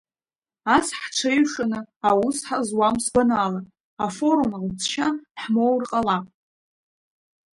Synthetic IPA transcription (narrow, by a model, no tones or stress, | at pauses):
asħʈ͡ʂʷʰejʂanɨawusħazwamsɡʷanalatʼ | afo̞ɾumaʁʷut͡sʰʃaħmo̞wrqʼalapʼ